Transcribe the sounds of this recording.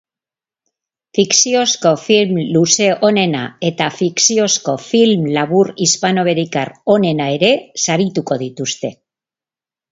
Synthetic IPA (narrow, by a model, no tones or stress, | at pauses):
fiksio̞sko̞filmluse̞ʔone̞na̰e̞t̪afiksio̞sko̞filmlaβurispano̞βe̞ɾikaro̞ne̞nae̞ɾe̞saɾit̪uko̞ð̞it̪ust̪e̞